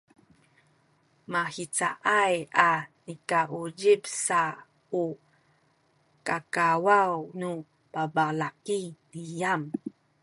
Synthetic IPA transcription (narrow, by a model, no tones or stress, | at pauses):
mahit͡saʔajanikaʔuɟibsa | u | kakawawnu | pabalakinijam